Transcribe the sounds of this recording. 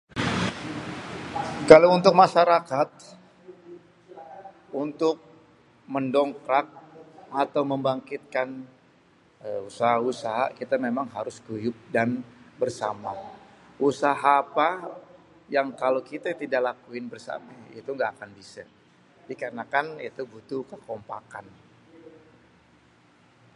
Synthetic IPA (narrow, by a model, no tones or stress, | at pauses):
kalaunt̪ʊk̚maʃaɾakat̪̚ | unt̪ʊk̚ | məndɔŋkɾak̚at̪awməmbaŋkɪt̪̚kan | əusaɦausaɦa̰kit̪amemaŋɦaɾʊskujʊk̚danbərsama | usaɦaːpa | jaŋkalokit̪at̪idaʔlakuɪnbərsa̰mait̪uŋɡaːkanbisa̰ | dikaɾənakanit̪ubut̪ukəkɔmpa̰ka̰n